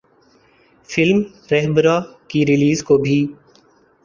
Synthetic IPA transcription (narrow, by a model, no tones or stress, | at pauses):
fɪlm | ɾɛɦbəɾaːkiɾɪliːzkobʱiː